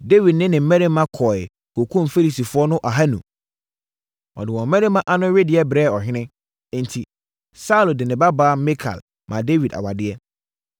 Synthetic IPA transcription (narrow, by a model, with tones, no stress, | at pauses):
de˦wi˨d̚nɪ̃˦nɪ̃˨m̩˦mɛ̃˦ɾe˦mã˦kʰɔ˨ɪ˨ | kʰo˨kʰũ˦m˨fe˦li˨si˨fʊ˦ɔ˦nʊ̃˦ʔa˨ɦa˦nṵ̃˨ | ɔ̰˨dɪ˨wɔ̃˨m̩˦mɛ̃˦ɾe˦mã˦ʔa˦nʊ̃˦ɥɪ˦dɪ˨ɛ˦bɾɛː˦˨ɔ˨ɦɪ̃˦nɪ̃˦ | n̩˨tʰi˨ | sa˦u˦lo˨dɪ˨nɪ̃˨ba˦baː˦mɛ˦kʰa̰˨l | mʔã˨de˦wi˨da̰˨wa˨dɪ˦ɛ˦